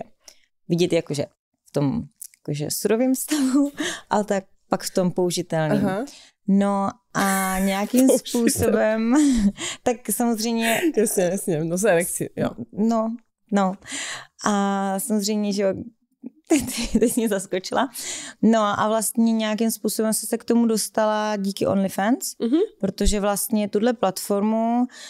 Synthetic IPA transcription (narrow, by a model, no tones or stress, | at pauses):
ɛ | vɪɟɛt̪jakoʒɛ | ft̪omjakoʒɛ̰suɾoviːmfst̪avuʔa̰lɛt̪ak̚ | pakft̪o̞mpouʒɪt̪ɛlnɲiːm | no | ʔaɲɛjakimspuːsobɛm | t̪aksamozrɛjmɲɛɛsɲɛsɲɛnozɛɾɛksɪo̰no | noʔasamozrɛjmɲɛʒɛo | t̪ɛtt̪ɛcɲɛzaskot͡ʃɪlano̞ʔa̰vlast̪ɲɛɲɛjakimspuːso̞bɛmsɛsɛkt̪o̞mudo̞st̪alaɟiːkɪʔo̰nlɪfɛnsɦpɾot̪o̞ʒɛvlast̪ɲɛt̪udlɛplat̪fo̞ɾmu